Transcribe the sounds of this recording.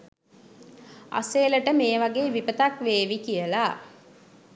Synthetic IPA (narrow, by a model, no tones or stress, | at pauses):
a̰seːləʈəmeːʋaɡeːʋipət̪akʋeːʋikijəla